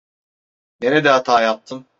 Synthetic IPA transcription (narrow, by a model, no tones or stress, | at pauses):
neɾɛd̪ɛat̪ʰaːjap̚t̪ʰɯm